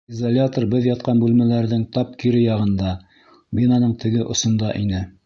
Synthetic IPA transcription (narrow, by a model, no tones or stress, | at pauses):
izalʲat̪orbɘðjɑt̪̚qɑnbʉlmælæɾðɘŋt̪ɑp̚kiɾɘjɑʁɤ̆nd̪ɑ | bʲinɑnɤɴt̪ʰɘ̆ɡɘʔŏsŏnd̪ɑʔinɘ